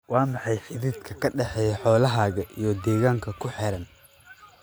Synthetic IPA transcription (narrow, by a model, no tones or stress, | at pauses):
wɑːmɑħɑjħɪðid̪kʰɐkʰɐɖɛħɛːjɐħɔːlɐɦaːɣɐʔijɔd̪ɛːɣaːŋkʰɐkʰʊħɛɾɐn